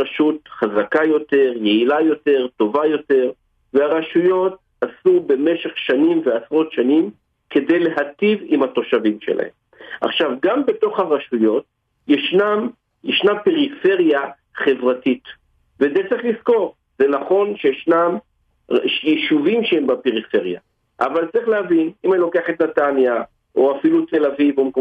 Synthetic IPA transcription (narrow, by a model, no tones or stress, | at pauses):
aʃutχazakajo̞te̞ʁjeilajo̞te̞ʁto̞vajo̞te̞ʁ | veaʁaʃujo̞t̚ | asube̞me̞ʃe̞χʃanimveasʁo̞tʃanim | ke̞de̞jle̞ɦativimhato̞ʃavimʃe̞̰la̰hḛm | ʔa̰χʃavɡambe̞to̞χhaʁaʃujo̞t̚ | jeʃnam | jeʃnapeʁife̞ʁja | χe̞vʁatit | vezet͡sʁiχlisko̞ʁ | zenaχo̞nʃejʃnam | ʃjeʃuvimʃeembapeʁife̞ʁja̰ | ʔa̰valt͡sʁiχleavinimanilo̞keaχetnatanja | ʔoafilutʰe̞lavivomk